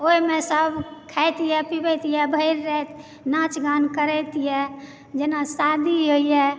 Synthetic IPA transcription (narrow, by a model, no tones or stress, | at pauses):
oimẽsəbʱkʰɛjt̪ijɛpibɛt̪ijɛbʱəɪɾːɛt̪ | nãt͡ʃɡankəɾɛt̪ijɛ | d͡ʒenasad̪ʱiɦoijɛ